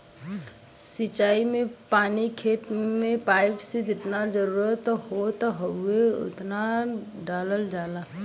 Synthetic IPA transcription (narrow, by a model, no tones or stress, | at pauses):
sɪt͡ʃaːimẽpaːnikʰeːt̪mẽpaːɪpsed͡ʒɪt̪nad͡ʒəɾuːɾət̪ɦot̪ɦoɦueʊ̰t̪na | ɖaːləld͡ʒaːlaː